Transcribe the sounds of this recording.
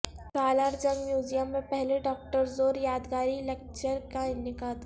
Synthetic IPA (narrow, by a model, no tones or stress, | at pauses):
kaːlaːɾd͡ʒɐ̃ŋɡmjuːd͡ʒijəmːẽpɛɦleɖɔːk̚ʈəɾzoːɾjaːd̪ɡaːɾilɛk̚t͡ʃəɾkaɪnɪkaːd̪